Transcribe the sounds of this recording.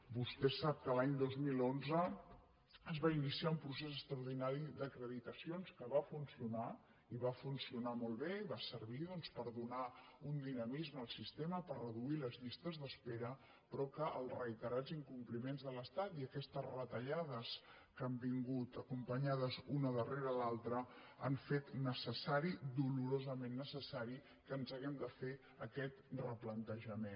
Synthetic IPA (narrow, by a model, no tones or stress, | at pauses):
bust̪ɛsap̚kəlaɲd̪ozmilonzə | əzβainisiaumpɾus̬esəkst̪ɾəuwɾð̞inaɾid̪əkɾəðit̪əsionskəβafunsiuna | iβafunsiunamɔlˠβeiβasəɾβiðɔnspəɾðunaund̪inəmizməlˠsist̪eməpərrəðuiləzʎist̪əzðəspeɾə | pɾɔkəʔəlˠzrəit̪əɾaziŋkumplimenzðələst̪at̪iəkɛst̪əzrət̪əʎað̞əs | kəmbiŋɡut̪əkumpəɲað̞əzunəðəreɾəːlalˠt̪ɾəa̰ɱfet̪nəsəsaɾid̪uluɾozəmenːəsəsaɾi | kəːnzaɣɛmd̪əfe | əkɛt̪rəplənt̪əʒəmen